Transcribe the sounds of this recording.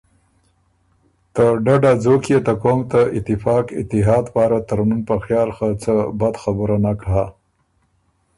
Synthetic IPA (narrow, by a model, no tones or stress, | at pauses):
t̪əɖaɖad͡zokjet̪akomt̪aʔɪt̪ːɪfɑkɪ̰t̪ːɪɦɑd̪pɑɾat̪aɾnunpəxjɑlxat͡səbad̪xabəɾanakɦa